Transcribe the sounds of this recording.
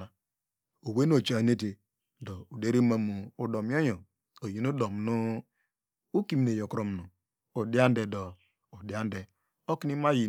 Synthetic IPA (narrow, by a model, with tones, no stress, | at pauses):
a˨ | o˨we˦n˦o˨t͡ʃa˨ne˦t̬e˨ | do˨u˨de˦ɾi˦ma˦mu˨u˨do˨m˦o˦jo˨ | o˨ji˨nu˦do˨m˨nu˦ | u˦ki˦˨m˨ne˨jo˨kɾo˨m˨nu˨ | o˨di˦a˦n˦de˨dɔ˨ | o˨di˨˦a˦n˦de˨ | o˦ki˦ni˦ma˦ji˨